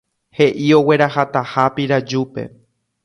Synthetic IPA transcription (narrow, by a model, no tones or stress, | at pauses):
he̞ʔio̞we̞ɾaɦat̪ahapiɾad͡ʒupe̞̰